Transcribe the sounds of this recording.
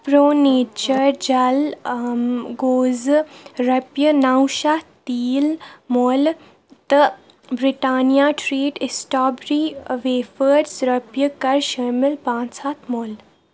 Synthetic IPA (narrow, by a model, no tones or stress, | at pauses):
pɾoːneːt͡ʃəɾd͡ʒɐl | ɡoːzɾɐpjənawʃat̪iːlmoːl | t̪ə | bɾɪʈaːnijaʈɾeːʈɪsʈaːbɾiʋeːfəɾsɾɐpjəkɐɾʃɐɾmɪlpãːnt͡saːt̪ʰmoːl